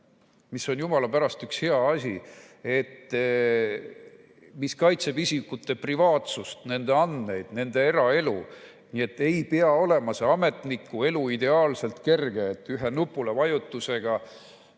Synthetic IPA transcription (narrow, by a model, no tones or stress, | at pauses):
misːo̞njumɑlɑpæɾɑst̪ykshe̞ɑɑsʲi | e̞t̪ː | miskɑjt̪se̞bisikːut̪ːˑe̞privɑːt̪sust̪ne̞nd̪e̞ɑnd̪ne̞jd̪̥ne̞nd̪̥e̞e̞ɾɑe̞lu | nie̞t̪ːe̞jpeɑo̞le̞mɑseɑme̞t̪nikːue̞luid̪e̞ɑːlse̞lt̪ke̞rɡeːt̪ːˑyɦe̞nupːˑulevɑjut̪ˑːuse̞ɡ̥ɑ